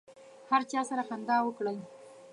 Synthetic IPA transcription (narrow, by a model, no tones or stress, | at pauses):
haɾt͡ʃɑsaɾaxand̪ɑwəkɽəj